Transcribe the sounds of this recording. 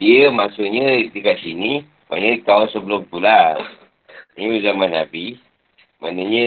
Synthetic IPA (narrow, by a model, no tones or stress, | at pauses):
diəmasʊʔɲədikatsini | ma̰nəkawansəbəlʊmt̪ula | iuzamanabi | manəɲə